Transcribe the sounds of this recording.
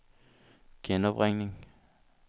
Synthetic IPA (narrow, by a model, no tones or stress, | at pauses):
ɡ̥enɒb̥ʁeŋ̰neŋ